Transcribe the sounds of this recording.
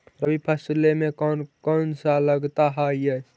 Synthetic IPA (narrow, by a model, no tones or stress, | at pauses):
ɾəbipʰəslemeknkɔnsaləɡt̪aɦaje